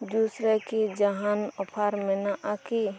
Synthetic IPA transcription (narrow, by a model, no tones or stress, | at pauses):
d̪uːsɾekid͡ʒaɦaːnɔpʰaːɾmẽnaʔaki